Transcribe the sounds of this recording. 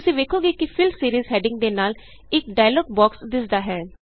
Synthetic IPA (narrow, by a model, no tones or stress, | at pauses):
ʊsĩːʋeːkʰoːɡiːkɪpʰɪlsiːɾiːzɦɛːɖɪ̃ŋɡ̚d̪eːnaːl | ɪk̚ɖaːjlɔːɡ̚bɔːksd̪ɪsd̪aːɦɛː